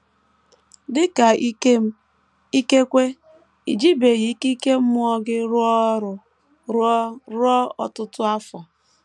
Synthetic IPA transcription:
dɪ˦ka˨˦m˦ | i˦ke˦kʷe˦ | i˨d͡ʒi˦be˨ɣi˨˦ki˦ke˦m̩˦mʊ˦ɔ˦ɡɪ˦ɾʊ˦ɔ˦ɾʊ˨ | ɾɾɔ˦ɔ̰˨tʊ˦tʊ˦a˦fɔ˨

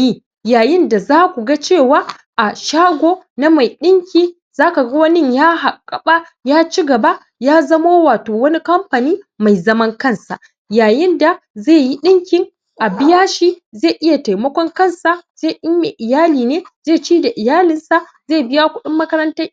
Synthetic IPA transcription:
ji˦ | jaː˨jɪ˦nda˨zaː˦kʷu˨ɡa˦t͡ʃeː˦˨waː˦ | ʔa˨ʃaː˦ɡʷoː˦na˦ma˨jɗɪ˦ŋkʲiː˦ | zaː˦ka˨ɡɐ˦wɐ˦nɪ˦˨ɲjaː˦ɦa˨kʼːɐ˨ɓa˦ | jaː˦t͡ʃi˦ɡɐ˨ba˦ | jaː˦zɐ˦ma˦waː˨toː˨wɐ˦ni˦kɐ˦mɸa˨niː˦ma˨jzɐ˦mɐ˦ŋkɐ˦˨nsa̰˨ʔ | jaː˨jɪ˦nda˨za˦˨ji˦ɗɪ˦ŋkʲɪ˨˦ŋ | ʔa˨bɪ˦jaː˦ʃi˦za˦˨ʔɪ˦ja˨ta˨jmɐ˦kʷɔ˦ŋkɐ˦˨nsa˨z̥e˦˨ʔɪ˦ja˨ʔɪ˨jaː˦liː˨neː˦zeː˦˨t͡ʃiː˦da˨ʔɪ˨jaː˦lɪ˦nsa˦ | ze˦˨bɪ˦ja˦kʷʊ˦ɗɪ˦mːɐ˦kɐ˦ɾɐ˦nta˦j

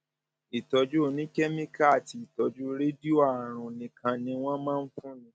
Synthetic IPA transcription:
i˨tɔ˨˧d͡ʒu˦o˦˨nĩ˦kɛ˦mĩ˦ka˦a˨ti˧˦i˨tɔ˧d͡ʒu˦ɾe˦di˦o˦a˨ɾ̃ũ˨nĩ˨kã˧nĩ˧w̃ɔ̃˦mãː˦n̩˦fũ˦nĩ˧˦

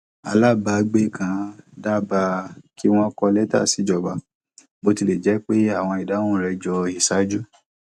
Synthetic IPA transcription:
a˨˧la˦˨ba˧˨˧ɡ͡be˦˨kʰã˨˧da˦ba˧ki˦w̃ɔ̃˦kɔ˧lɛ˦ta̰˦˨si˨˦d͡ʒɔ˨ba˨ | bo˧ti˧le˨d͡ʒɛ˨˦k͡pe˦a˦˨w̃ɔ̃˧i˨da˨˦wũ˦˨ɾɛ˧d͡ʒɔ˧i˨sa˨˦d͡ʒu˦

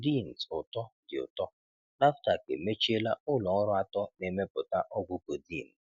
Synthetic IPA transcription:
di˦˨n̩˨sʊ˨tɔ˦dɪ˨ʊ̰˨tɔ˦ | na˦fta˨kḛ˨me˦t͡ʃi˦e˦la˦ʊ˦lɔ˨ɔ˦ɾʊ˦a˦tɔ˦ne˨me˦pʊ˨ta˦ʔɔ˦ɡʷʊ˦ko˨diː˦˨n̩˨

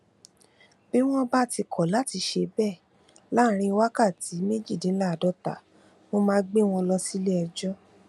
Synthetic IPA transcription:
bi˦w̃ɔ̃˦ba˦˨ti˧kʰɔ˨la˨˦˨ti˧˦ʃe˧bɛ˦˨ | la˦˧ɾ̃ĩ˧wa˦ka˦˨ti˨˦me˦d͡ʒi˦˨dĩ˨˦la˦˨dɔ˨˦ta̰˨ | mõ˦mãː˦ɡ͡be˦w̃ɔ̃˧lɔ˧si˦le˦ɛ˧d͡ʒɔ˦

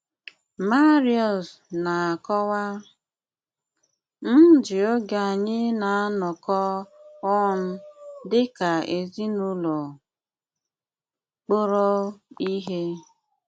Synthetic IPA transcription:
ma˦ɾi˦ɔ˨s | na˨a˨kɔ˦wa˦ | n̩˦d͡ʒɪ˨o˦ɡa˨a˨ɲɪ˦na˨a˦nɔ˨kɔ˦ɔ˦n̩˦dɪ˦ka˨e˨zi˦nʊ˦lɔ˨ | k͡po˦ɾɔ˦i˦ɦe˦

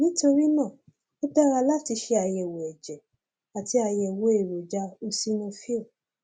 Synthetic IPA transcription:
nĩ˦to˧ɾi˦nãː˦˨ | o˦tɛ˦ɾa˧la˦ti˧ʃe˧a˧jɛ˨wo˨ɛ˨d͡ʒɛ˨ | a˨ti˧˦a˧jɛ˧˨wo˨˦e˨ɾo˨d͡ʒa˧˦o˧si˦nõ˧fi˦o˦˨

